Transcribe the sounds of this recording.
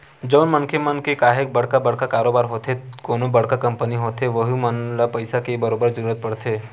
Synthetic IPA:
d͡ʒəʊnmənkʰemənkekaːɦek̚bəɽ̤kabəɽ̤kakaːɾoːbaːɾɦot̪ʰekoːnobəɽ̤kakɐ̃mpəniɦoːt̪ʰeʋəɦumənlapəɪsakebəɾoːbəɾd͡ʒɐɾuːɾət̪̚pəɽt̪ʰeː

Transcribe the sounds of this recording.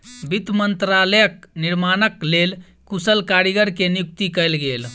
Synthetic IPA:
bid̪mənt̪ɾaləjək̚niɾmanəklel | kusəlkaɾiɡəɾkenjuk̚t̪ikəjlɡel

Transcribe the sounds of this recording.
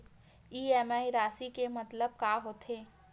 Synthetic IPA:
iːɛːmaːiɾaːsikemɐt̪ləb̚kaːɦoːt̪ʰeː

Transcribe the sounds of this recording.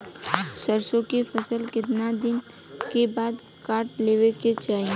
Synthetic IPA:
səɾsõkefʰəsəlkɪt̪nad̪ɪn | kebaːd̪ | kaːɾʈleːʋeket͡ʃaːɦĩ

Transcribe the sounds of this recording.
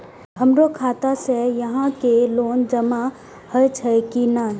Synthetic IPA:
ɦəmɾokʰaːt̪asejɐɦãkeloːnd͡ʒəma | həjt͡ʃʰɐkina

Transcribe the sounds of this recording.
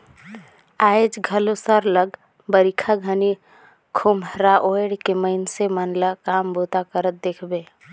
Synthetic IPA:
aːjed͡ʒɡʱəlosaɾləɡ | bəɾikʰaɡʱəni | kʰomɾaʔoeɽkeməɪnsemənlakaːmbot̪akəɾət̪̚d̪ekʰbeː

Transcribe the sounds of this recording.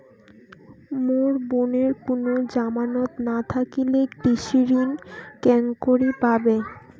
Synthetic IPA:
moɾboneɾkonod͡ʑamanot̪nat̪ʰakilekɾiʃiɾinkɛŋkoɾipabe

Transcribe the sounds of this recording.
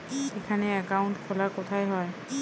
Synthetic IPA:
ekʰanɛakawntkʰɔlakɔtʰajɦɔj

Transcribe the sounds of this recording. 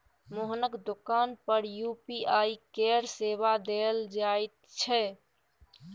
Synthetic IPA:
moɦnəkd̪okaːnpəɾjupiaikeɾsebad̪eld͡ʒajt̪̚t͡ʃʰɛ

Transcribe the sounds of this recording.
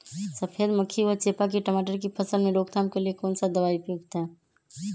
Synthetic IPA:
səpʰeːlməkʰiʋət͡ʃeːpak̬iʈəmaːʈəɾkipʰəsəlmẽɾoːɡt̪ʰaːmkelijekɔːnsad̪əʋaːipuːɡt̪ɦɛː

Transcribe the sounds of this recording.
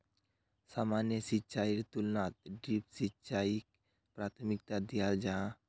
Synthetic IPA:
saːmaːnjəsitːt͡ʃaːiɾt̪ulnaːt̪̚ɖɾipsitt͡ʃaːik | pɾaːt̪ʰmɪk̚t̪ad̪ijaːld͡ʒaã

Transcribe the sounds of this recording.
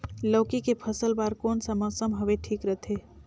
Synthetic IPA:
ləːkikepʰəsəlbaɾkoːnsəməsəmɦəʋeʈʰiːkɾət̪ʰe

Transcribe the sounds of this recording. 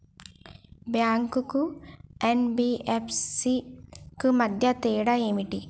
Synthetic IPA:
bjaːŋkukuenbiepʰsikɨmɐd̪ʱjɐt̪eːɽɐeːmiʈːi

